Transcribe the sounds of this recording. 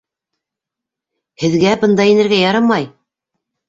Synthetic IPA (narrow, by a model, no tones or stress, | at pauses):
hɘ̆ðɡæbɤnd̪ɑjinɘ̆ɾɡæjɑɾɤmɑj